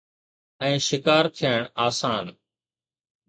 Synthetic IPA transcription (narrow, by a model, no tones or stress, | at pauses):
ɛ̃ːʃɪkaːɾt̪ʰɪjaːɪɳaːsaːn